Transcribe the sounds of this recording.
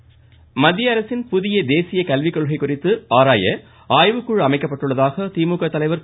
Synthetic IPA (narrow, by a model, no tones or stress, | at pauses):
mɐd̪ːjɐɐɾɐsɪnpʊðɪjɐd̪eːsɪjɐkɐlʋɪkːɔɭɣɐɪkːʊrɪt̪ːɯaːɾaːjɐ | aːjʋɯkːɯɻɐmɐɪkːɐpːɐʈːɯɭːɐðaːɣɐt̪iːmuːkɐt̪ːɐlɐɪʋɐɾ